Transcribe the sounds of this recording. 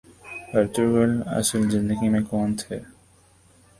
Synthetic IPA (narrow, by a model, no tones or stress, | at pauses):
əɾʈ̪uɾɡəlɐ̰səlzɪ̃nd̪əɡimẽkɔːnt̪ʰɛː